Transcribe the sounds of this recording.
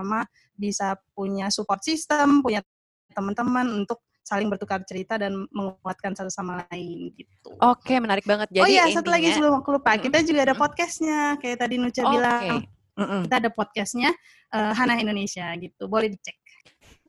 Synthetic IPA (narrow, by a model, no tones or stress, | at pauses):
ama | bisap̚uɲasupɔrt̪sist̪əmpuɲa | t̪əmənt̪əmənunt̪ʊk̚ | salɪŋbərt̪ukart͡ʃəɾit̪adanməŋat̪̚kansat̪usamalaɪnɡit̪̚ṵokemənaɾɪk̚baŋət̪̚d͡ʒaojjasət̪ulaɡisəbəlʊmwak̚t̪ulupakit̪ad͡ʒuɡaːdapɔt̪̚kasɲakajaʔt̪adinut͡ʃabilaŋ | it̪aːdapɔt̪̚kɛsɲa | ʔəɦanaɦindonesiaɡit̪ubolɛhdit͡ʃɛk̚